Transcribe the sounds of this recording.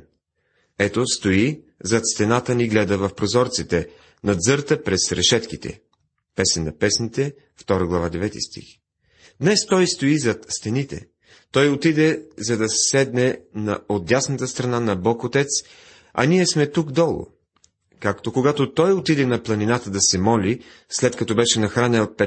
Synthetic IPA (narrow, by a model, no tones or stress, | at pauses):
ɛt̪ost̪oi | zɐt̪st̪ɛnat̪əniɡlɛd̪əvɐfpɾozɔɾt̪sit̪ɛ | nɐd̪zɤɾt̪əpɾɛsɾɛʃɛt̪kit̪ɛ̰ | pɛsɛnːɐpɛsnit̪ɛ | ft̪ɔɾəɡlˠɐvad̪ɛvɛt̪ḭst̪ḭx | d̪nɛst̪ɔjst̪oizɐt̪st̪ɛnit̪ɛ̰ | t̪ɔjot̪id̪ɛzɐd̪ɐsɛ̥sɛd̪nɛnɐod̪̚d̪ʲjasnət̪əst̪ɾɐnanɐbɔkot̪ɛt̪s | ɐ̰niɛsmɛt̪ukd̪ɔlˠo̰ | kakt̪okoɡat̪ot̪ɔjot̪id̪ɛnɐplˠɐninat̪əd̪ɐsɛmɔli | slɛt̪kɐt̪ɔbɛʃɛnɐxɾanʲəlˠpɛ